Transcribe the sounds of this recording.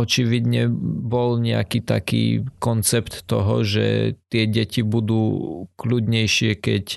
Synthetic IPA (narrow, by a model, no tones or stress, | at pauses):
ɔt͡ʃiʋid̪ɲɛbɔlɲɛa̰kiːt̪a̰kḭːkɔnt͡sɛpt̪ːɔɦɔ̰ʒɛ̰t̪ɪɛɟɛcibud̪uːklud̪ɲɛjʃɪɛkɛc